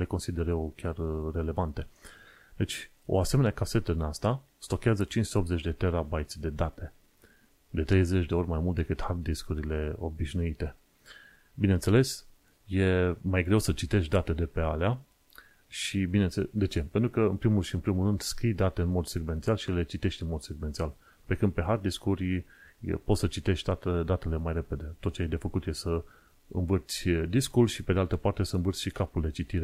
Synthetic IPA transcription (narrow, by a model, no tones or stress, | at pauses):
le̞konsid̪e̞ɾewkʲarːe̞le̞vant̪e̞ | d̪e̞t͡ʃʲ | o̞̰ase̞meneakase̞t̪əd̪inast̪a | st̪o̞kʲeazət͡ʃinst̪eo̞p̪̚ze̞t͡ʃʲd̪e̞t̪e̞ɾabajt̪sʲd̪e̞d̪at̪e̞ | d̪e̞t̪ɾe̞jze̞t͡ʃʲd̪e̞o̞ɾʲmajmult̪̚d̪e̞kɨt̪hard̪iskuɾile̞o̞̰biʃnuit̪e̞ | bine̞nt̪se̞le̞s | je̞majɡɾe̞wsət͡ʃit̪e̞ʃʲd̪at̪ed̪e̞pe̞alea | ʃibinend̪e̞t͡ʃe̞pent̪ɾukəɨnpɾimulʃiɨnpɾimulːɨnd̪skɾijd̪at̪e̞ɨnmo̞d̪se̞ɡve̞nt̪sialʃile̞t͡ʃit̪e̞ʃt̪ʲɨnmo̞d̪seɡvent̪sial | pe̞kɨnpe̞ɦard̪iskuɾʲ | po̞t̪sət͡ʃit̪e̞ʃt̪ʲd̪at̪ed̪at̪e̞le̞majre̞pe̞d̪e̞t̪o̞t̪̚t͡ʃejed̪e̞fəkut̪je̞sə | ɨ̰nvɨrt̪sʲd̪iskulʃipe̞d̪ealt̪əpart̪e̞səɨnvɨrt̪sʲʃikapuld̪e̞t͡ʃit̪iɾe